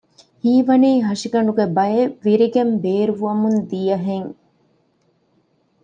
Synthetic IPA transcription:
hiːʋɐniːɦɐʂiɡɐɳɖuɡebɐeʋiɾiɡembeːɾuʋuɐmund̪ijɐɦeŋ

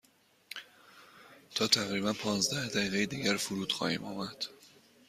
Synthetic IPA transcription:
t̪ʰɒːt̪ʰæɣɾiːbænpʰɒːnzd̪æhd̪æiːɣejed̪iːɟæɾfuɾuːd̪̥xɒːhḭːmɒːmæd̪̥

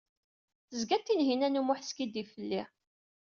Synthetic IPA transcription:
θəzɡæt̪ːinɦinænumʊħskid̪ifəlːi

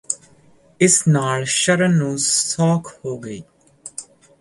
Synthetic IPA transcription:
ɪsnaːlʃəɾənːũːsɔːkʰhoːɡəiː

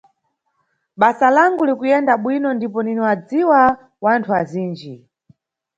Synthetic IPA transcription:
ɓasalaŋɡulikujɛndaɓwinɔndipɔniniwad͡ziwa | wantʰuaziːnd͡ʒi

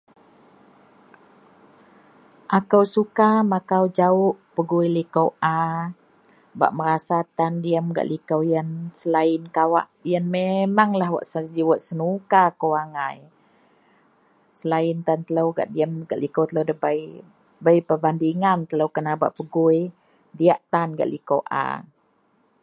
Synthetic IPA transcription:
ʔakəwsukamakawd͡ʒaʊʔpəɡuilikəwʔa | ba̰ʔməɾasat̪andiəmɡa̰ʔlikəwjənsəlaɪnkawa̰ʔjənmemaŋlahwa̰ʔsadiwaʔsənukakəwaŋaj | səlaɪnt̪ant̪ələwɡa̰ʔdiəmɡaʔlikəwt̪ələwdəbaj | bəjpəbandiŋant̪ələwkənaba̰ʔpəɡuj | diaʔt̪anɡa̰ʔlikowʔa̰

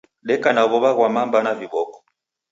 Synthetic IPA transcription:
ɗɛkanaβɔβaɣwamambanaviɓɔkɔ̥

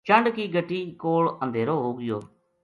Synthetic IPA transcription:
t͡ʃəɳɖkiːɡəʈiːkoːɭə̃nd̪ʱeːɾoːɦoːɡɪjoː

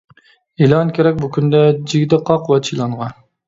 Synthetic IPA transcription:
elˠɑnkʲʰeɾɛk̚ʲbukʲʰynd̪ɛd͡ʒiɡʲd̪ɨqʰɑqwɛt͡ʃʰilˠɑɴʁɑ

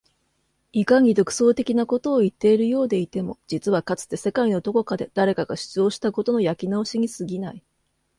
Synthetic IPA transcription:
ikaŋ̟id̪o̞kɯ̟̥so̞ːt̪e̞kʲinako̞t̪o̞ːit̪ːe̞iɾɯ̟jo̞ːd̪e̞it̪e̞mo̞d͡ʑit͡sɨβakat͡sɨ̥t̪ːe̞se̞kaino̞d̪o̞ko̞kad̪e̞d̪̥aɾe̞kaɡaɕɨ̥t͡sɨjo̞ːɕi̥t̪ako̞t̪o̞no̞jakʲinao̞ɕiɲ̟ʲisɨɡʲinai

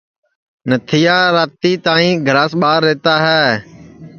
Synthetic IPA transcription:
nət̪ʰɪjaːɾaːt̪iːt̪ãːĩːɡʱɾaːsɓaːɾːɛːt̪aːɦɛː

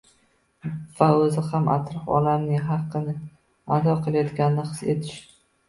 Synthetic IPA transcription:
vaɵzɪhamʔa̰t̪ɾɒfɒ̰lamnɪŋɦɑqʰːɨnɪ | ad̪ɒqʰɨlˠajɒt̪ɡʲanɪnɪqɨset̪ʰɪ̥ʃt̪ɪ

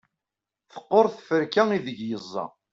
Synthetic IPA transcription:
θə̥qːoɾˤθfəɾkæŋiðəʝjəzˤːɑ̰

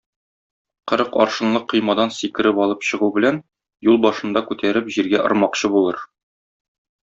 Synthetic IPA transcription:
qɤ̆ɾɤqɒ̰ɾʃɤ̆nlˠɤqːɤ̆jmɑd̪ɑnsikɘ̆ɾɘpɒlˠɤpɕɤ̆ʁubɘ̆læn | julˠbɒʃɤ̆nd̪ɑkʉt̪ʰæɾɘpʑiɾɡæʔŏ̰ɾmɑqɕɤbulˠɤɾ

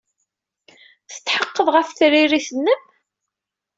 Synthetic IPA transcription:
θə̥t͡s̪ːħəqːəðˤʁəfθɾiɾiθənːəm

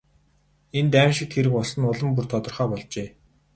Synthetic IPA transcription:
ent̪æːmʃɪ̆k̚t̪ʰxeɾɘ̆kʊɮsɞ̆nʊɮə̆mpurt̪ʰɔt̪ɞ̆rχœːpɔɮt͡ɕeː

